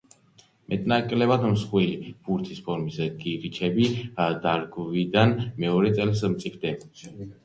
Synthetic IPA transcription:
mɛt̪ʼnakʼlɛbad̪msχwilib̥uɾt̪ʰispʰɔɾmisɡiɾit͡ʃʰɛbid̪aɾɡvid̪anmɛɔɾɛt̪sʼɛlsmt̪sʼipʰd̪ɛ

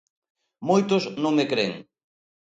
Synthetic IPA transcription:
mojt̪ʊznõŋmekɾeŋ

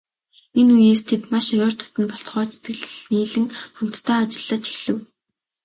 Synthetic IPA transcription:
enujeːst̪ʰet̪maʃɔɾɔːr̥t̪ʰʊ̥t̪ɘ̆npɔɬt͡sχɔːt͡sʰet̪ɡɘ̆ɮniːɮɘ̆ŋχɔm̥t̪ːʰæːt͡ɕɪ̆ɮːə̆t͡ɕi̥xɮɘ̆w

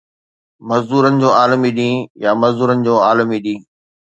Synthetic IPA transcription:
mɐzd̪uːɾənɪ̆d͡ʑoːaːlmiɗĩːjamɐzd̪uːɾənɪ̆d͡ʑoːaːləmiɗĩː

